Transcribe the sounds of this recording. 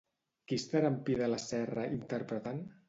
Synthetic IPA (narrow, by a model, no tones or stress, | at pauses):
kist̪aɾampiðəlasɛraʔint̪əɾpɾət̪an